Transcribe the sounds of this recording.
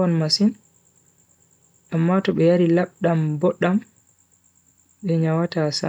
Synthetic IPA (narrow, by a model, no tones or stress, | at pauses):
ɔnmasin | amːatɔɓɛjaɾilaɓɗambɔɗːam | ɓɛɲawatasa̰